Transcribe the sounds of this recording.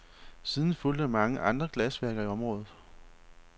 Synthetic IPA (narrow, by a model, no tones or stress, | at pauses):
siːð̞ˠn̩ful̰d̥əmɑ̈ŋəʔɑ̈nd̥ʁɐɡ̥læsʋæɐɡ̥ɐiɒ̽mʁɔ̽ːðˠð̩ˠ